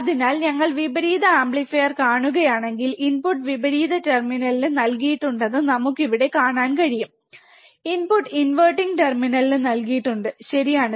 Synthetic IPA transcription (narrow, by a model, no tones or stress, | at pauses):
ɐðinaːlɲɐŋːɐɭʋibɐɾiːðɐaːmbɭifejɐrkaːɳuɣɐjaːɳe̞ŋɡilinpuʈːʋibɐɾiːðɐterminɐlinɨnɐlkijiʈːuɳɖɐnːɨnɐmukːiʋiɽe̞kaːɳaːnkɐɻijum | inpuʈːɨinʋɐʈːiŋɡʈerminɐlinɨnɐlkijiʈːuɳɖɨɕɐɾijaːɳɨ